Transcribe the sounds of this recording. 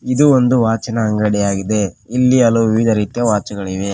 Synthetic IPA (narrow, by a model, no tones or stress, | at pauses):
id̪uond̪uʋaːt͡ʃɐnɐːŋɡɐɽɛjaːɡid̪e̞ilːiɐluʋiʋid̪ʱɐɾiːt̪jɐʋaːt͡ʃɐɡɐɭiʋe